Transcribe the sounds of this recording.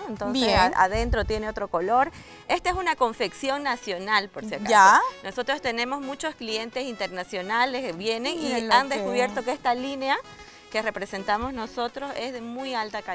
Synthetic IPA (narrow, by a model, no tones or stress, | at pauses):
ent̪onsesaa̰ðe̞nt̪ɾot̪je̞neo̞t̪ɾo̞ko̞lo̞ɾ | e̞st̪aesunako̞ɱfe̞ksjo̞ŋnasjonalpoɾssjeɾkaanʔo̞so̞t̪ɾost̪e̞ne̞mo̞zmut͡ʃo̞sklie̞nt̪e̞sint̪e̞ɾnasjo̞nalesβje̞ne̞ŋiand̪eskuβje̞ɾt̪o̞kest̪alinea | ke̞re̞pɾese̞nt̪amo̞zno̞so̞t̪ɾo̞se̞zðe̞mujalt̪aka